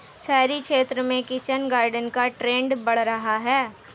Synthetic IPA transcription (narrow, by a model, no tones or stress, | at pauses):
sɛːɾikʃeːt̪ɾəmẽkɪt͡ʃənɡaːɾɖənkaʈɾeːɳɖbɐɽ̤ɾɐɦaɦɛː